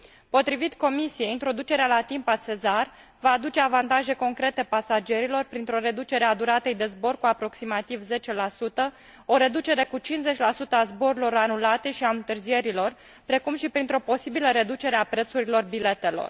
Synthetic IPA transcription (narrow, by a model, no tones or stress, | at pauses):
po̞t̪ɾivit̪ko̞misije̞int̪ɾo̞d̪ut͡ʃe̞ɾealat̪impase̞zar | vaːd̪ut͡ʃe̞avant̪aʒe̞ko̞ŋkɾe̞t̪e̞pasad͡ʒe̞ɾilo̞rpɾint̪ɾo̞ɾe̞d̪ut͡ʃe̞ɾead̪uɾat̪ejd̪e̞zbo̞rkuapɾo̞ksimat̪ivze̞t͡ʃe̞lasut̪ə | o̞ɾe̞d̪ut͡ʃe̞ɾe̞kut͡ʃinze̞t͡ʃʲlasut̪əazbo̞ɾulo̞ɾanulat̪e̞ʃiaɨnt̪ɨrzije̞ɾilor | pɾe̞kumʃipɾint̪ɾo̞po̞sibiləɾe̞d̪ut͡ʃe̞ɾeapɾe̞t̪suɾilo̞rbile̞t̪e̞lo̰r